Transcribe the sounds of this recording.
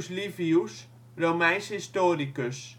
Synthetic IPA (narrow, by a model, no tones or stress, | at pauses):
slifius | romænshistoɾikøs